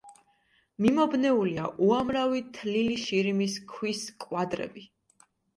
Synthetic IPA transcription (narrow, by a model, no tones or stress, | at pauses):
mimɔbnɛuliaʔuamɾavit̪ʰliliʃiɾimiskʰwiskʼwad̪ɾɛ̰bi